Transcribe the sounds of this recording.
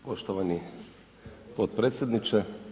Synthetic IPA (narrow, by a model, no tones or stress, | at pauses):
poʃt̪oʋani | pot̪̚pɾet̪sʲjed̪nit͡ʃɛ